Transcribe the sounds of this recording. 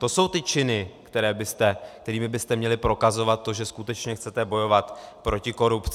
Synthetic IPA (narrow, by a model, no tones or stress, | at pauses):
t̪o̞so̞wt̪ɪt͡ʃɪnɪkt̪ɛɾɛːbɪst̪ɛkt̪ɛɾiːmɪbɪst̪ɛmɲɛlɪpɾo̞kazo̞vat̪̚ːo̞ʒɛskut̪ɛt͡ʃɲɛxt͡sɛt̪ɛbo̞jo̞vat̪pɾo̞cɪko̞ɾupt͡s